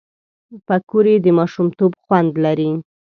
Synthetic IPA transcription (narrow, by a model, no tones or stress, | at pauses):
pakuɾed̪əmɑʃumt̪obxwand̪laɾi